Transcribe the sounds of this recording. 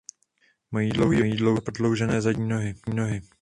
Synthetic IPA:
mojiːdlowɦiojiːdlowpɾodlowʒɛnɛːzaɟɲiːno̞ɦɪnoɦɪ

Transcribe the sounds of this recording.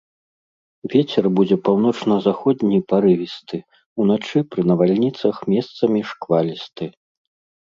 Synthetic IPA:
vʲet͡sʲɛrbud͡zʲɛpawn̪ɔt͡ʂnɐzaxɔd̪ʲnʲipaɾɨvʲist̪ɨ | unat͡ʂɨpɾɨnɐvalʲnʲit̪sɐxmʲɛst̪sɐmʲiʂkvalʲist̪ɨ

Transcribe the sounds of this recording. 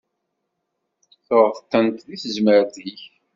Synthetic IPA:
θoʁəθt̪ːənt̪ðiθəzməɾθiç

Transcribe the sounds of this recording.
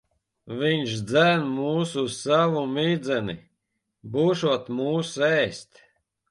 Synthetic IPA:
vʲiɲʃd̪zænmuːsussavumʲiːd̪zɛnḭ | buːʃuɔt̪muːsɛːst̪

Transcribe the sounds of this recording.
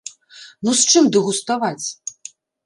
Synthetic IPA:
nust͡ʂɨmd̪ɨɣust̪avat͡sʲ

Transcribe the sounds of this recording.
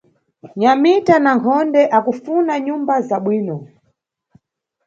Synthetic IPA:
ɲamitanaŋkʰɔndɛʔakufunaɲumbazaɓwiːnɔ

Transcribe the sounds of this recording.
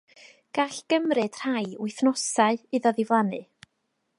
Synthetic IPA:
ɡ̥aɬɡ̥əmrɨd̥r̥ajwɪjθnɔsaɨɨðɔðɪvlˠanɨ

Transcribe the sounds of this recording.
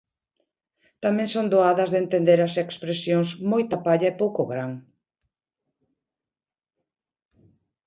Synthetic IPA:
t̪amẽŋsond̪oaðɐzðent̪end̪eɾɐsekspɾesjoŋsmojt̪ɐpaʎɐepowkʊɣɾaŋ

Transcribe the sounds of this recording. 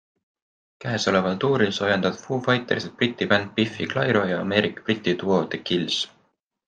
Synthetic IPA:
kæeso̞le̞vɑlt̪uːɾilso̞jend̪̥ɑd̪̥fuːfɑjt̪ːˑeɾiset̪̚prit̪ːˑipænd̪̥̚pifiklɑjɾo̞jɑɑme̞ːɾikːˑɑ̥prit̪ʲːˑit̪uo̞t̪ekils

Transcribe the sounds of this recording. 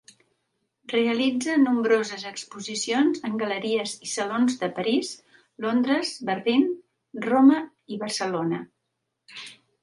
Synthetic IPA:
reəlid͡zənumbɾozəzəkspuzisionzəŋɡələɾiəzisəlonzðəpəɾiz | lond̪ɾəzbəɾlin | romə | iβərsəlonə

